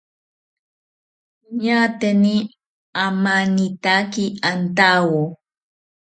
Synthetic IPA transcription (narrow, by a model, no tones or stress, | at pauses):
ɲat̪eni | amanit̪akiant̪awo